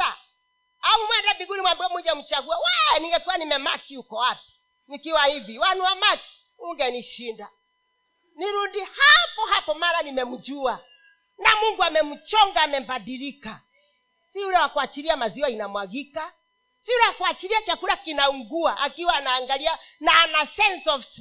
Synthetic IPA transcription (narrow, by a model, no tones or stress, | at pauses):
a | aumwɛndaviɡunimwambuɔmuʄam̩t͡ʃaɡuawaɛniŋɡɛkuanimɛmakiukɔwapi̥ | nikiwahiviwanuwamaki̥ | uŋɡɛniʃinda | niɾundihapɔhapɔmaɾanimɛm̩d͡ʒua | namuŋɡuamɛm̩t͡ʃɔŋɡaːmɛm̩baɗiɾika | siulɛwakuat͡ʃiɾiamaziwainamwaɡika | siulɛwakuat͡ʃiɾiat͡ʃakuɾakinauŋɡuaʔakiwaːnaːŋɡalianaːnasɛnsɔvs